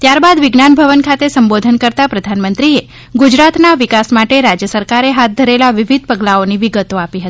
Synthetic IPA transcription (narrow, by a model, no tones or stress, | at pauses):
t̪jaɾbad̪ʋɪɡnanbʱəʋənkʰat̪esəmbod̪ʱənkəɾt̪apɾəd̪ʱanmənt̪ɾie | ɡud͡ʒɾat̪naʋɪkasmaʈeɾad͡ʒjəsəɾkaɾeɦat̪̚d̪ʱəɾelaʋɪʋid̪̚ʱpəɡlaoniʋɪɡət̪oapiɦət̪i̥